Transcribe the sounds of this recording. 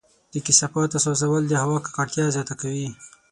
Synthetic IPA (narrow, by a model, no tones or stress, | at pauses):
d̪̥əkisapɑt̪asozawəld̪əhawɑkḁkaʈt̪jɑzjɑt̪akawi